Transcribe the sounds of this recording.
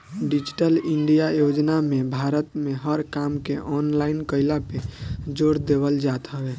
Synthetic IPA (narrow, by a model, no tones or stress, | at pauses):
ɖid͡ʒiʈəliɳɖijajod͡ʒnamẽbʱaɾət̪meɦəɾkamkeʔɔnlaɪnkəɪlaped͡ʒoɾd̪ebəld͡ʒat̪ɦəbe